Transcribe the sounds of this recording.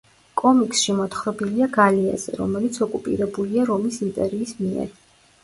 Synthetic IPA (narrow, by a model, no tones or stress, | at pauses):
kʼɔmikʼsʃimɔt̪χɾɔbiliaɡalia̰z̥ɛ̰ɾɔ̰mɛlit̪sʰɔkʼupʼḭɾɛbuliaɾɔmisint̪ʼɛɾiːsmiɛ̰ɾ